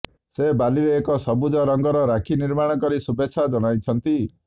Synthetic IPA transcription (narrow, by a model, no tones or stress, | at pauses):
sebaliɾeːkɔsɔbud͡ʒɔɾɔŋɡɔɾɔɾakʰiniɾmaɽ̃ɔkɔɾisubeːʃʰad͡ʒɔɽ̃ajt͡ʃʰɔnt̪i